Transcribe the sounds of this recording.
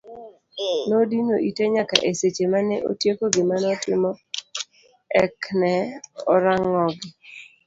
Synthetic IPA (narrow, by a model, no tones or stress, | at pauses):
nodinoʔiteɲaka̰ʔeset͡ʃemanɛʔo̰tjekoɡɪmanɔtɪmɔ | ɛknɛɔɾaŋːɔɡɪ